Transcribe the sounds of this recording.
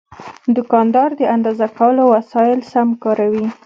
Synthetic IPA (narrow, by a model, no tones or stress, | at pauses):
d̪ʊkɑnd̪ɑɾd̪əand̪ɑzakawəlowasɑjɪlsamkɑɾawi